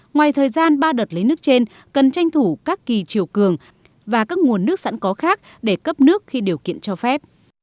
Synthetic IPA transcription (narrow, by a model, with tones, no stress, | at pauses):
ŋwaː˨˩jt̪ʰəː˨˩jzaː˧nɓaː˧ɗo˨˩t̚lə˨˦jnɨ˦˥ək̚t͡ɕe˧n | kə˨˩nt͡ɕa˧jŋ̟t̪ʰu˧˩kaː˦˥kːi˨˩t͡ɕi˨˩əwkɨ˨˩əŋ | vaː˨˩kaː˦˥k̚ŋu˨˩ənːɨ˦˥ək̚sa̰˧˥nkɔ˨˦xaː˦˥k̚ | ɗe˧˩kə˦˥p̚nɨ˦˥ək̚xi˧ɗi˨˩əwkḭ˧˨ənt͡ɕɔ˧fɛ˦˥p̚